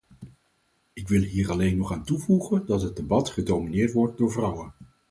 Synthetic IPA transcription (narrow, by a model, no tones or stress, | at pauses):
ɪkʋɪlˠɦiːrɑlejnɔχaːntuvuχəndɑtɦəd̚debɑtχədowminɪːɹtʋɔɹt̚dʊːɹvrʌwən